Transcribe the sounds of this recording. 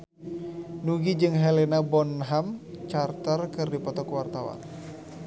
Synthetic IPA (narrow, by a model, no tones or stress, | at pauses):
nuɡid͡ʒɨŋɦɛlenabɔnɦamt͡ʃart̪ərkɨrdipɔt̪ɔkwart̪awa̰n